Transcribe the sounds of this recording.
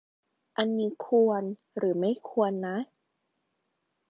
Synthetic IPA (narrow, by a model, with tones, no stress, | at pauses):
ʔa˧nmiː˧˥kʰu˧ən | ɾɯː˩˦ma˥˩jkʰu˧ənːa˦˥